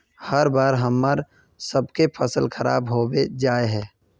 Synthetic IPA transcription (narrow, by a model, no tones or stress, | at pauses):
həɾbaːɾɦəmːəɾ | səbkepʰəsəlxəɾa̰ːbɦoːbed͡ʒaːeɦɛ̃ː